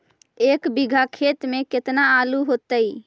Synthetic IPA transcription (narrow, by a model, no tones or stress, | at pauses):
ekbiɡʱakʰet̪meket̪naaluɦot̪əj